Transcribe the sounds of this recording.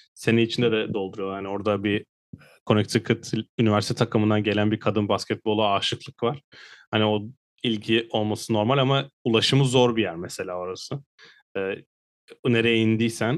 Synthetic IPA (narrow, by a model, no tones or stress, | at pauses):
se̞niit͡ʃʰind̪ɛd̪ɛd̪o̞lˠd̪uɾujohanio̞ɾd̪abiː | kʰo̞nɛc̚t̪ʰikʰɯt̪ʰynivʲæɾst̪ʰɛt̪ʰakʰɯmɯnd̪anɟe̞lʲænbiɾkʰad̪ɯnbascʰɛt̪̚bo̞lˠaaːʃɯklˠɯkvaɾ̥hanio̞ | ilʲɟʰiʔo̞lˠmasɯno̞ɾmalʲamaulˠaʃɯmɯzo̞ɾbijæɾmese̞lʲaːo̞ɾasɯ | ɛː | ne̞ɾɛjind̪ijsæn